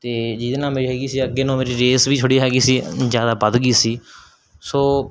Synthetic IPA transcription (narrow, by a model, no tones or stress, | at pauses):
t̪eːd͡ʒid̪nãːmeːɾiːɦɛːɡiːsiːəɡeːnõːmeːɾiːɾeːsbiːt͡ʃʰʊɽiːɦɛːɡiːsiːzjaːd̪aːbəd̪ɡiːsiː | soː